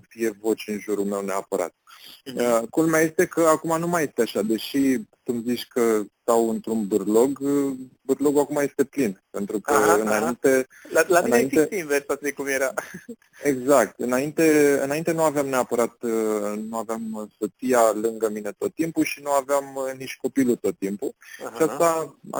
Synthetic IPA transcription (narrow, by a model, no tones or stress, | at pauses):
fije̞vo̞t͡ʃɨnʒuɾulme̞wne̞apəɾa̰t̪̚əkulmeaje̞st̪e̞kəakumanumaje̞st̪e̞aʃad̪e̞ʃit̪umzit͡ʃʲkət̪awɨnt̪ɾunbɨrlo̞ɡbɨrlo̞ɡuakumaje̞st̪e̞plinpe̞nt̪ɾukəɨnaint̪e | alaɨineinet̪iinveɾsat̪sijkumjeɾa | eɡzak̚t̪ɨnaint̪e̞ɨ̰naint̪e̞nuaveamneapəɾat̪nuaveamsot̪ijalɨŋɡəmine̞t̪o̞t̪ːimpuʃinuaveamniʃko̞pilut̪o̞t̪ːimpuʃiast̪aa̰